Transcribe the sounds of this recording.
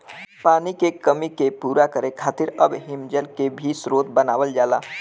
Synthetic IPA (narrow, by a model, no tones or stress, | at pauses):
paːnikekəmikepuːɾakəɾekʰaːt̪ɪɾəbɦɪmd͡ʒəlkebʱisɾoːt̪bənaːʋəld͡ʒaːlaː